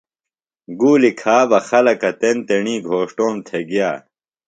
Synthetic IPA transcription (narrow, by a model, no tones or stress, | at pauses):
ɡuːlikʰaːbɐxɐlɐkɐt̪ent̪eɳĩːɡʱoːʂʈoːmt̪ʰeɡjaː